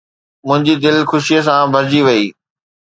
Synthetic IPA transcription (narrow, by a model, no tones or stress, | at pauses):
mʊ̃ɦɪ̃ɲd͡ʑid̪ɪlxʊʃijəsãbʱɐɾd͡ʑiʋɐiː